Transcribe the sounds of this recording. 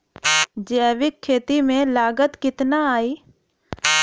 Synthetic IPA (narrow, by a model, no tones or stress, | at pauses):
d͡ʒeɛʋɪkʰːeːt̪imẽlaːɡət̪kɪt̪naaːiː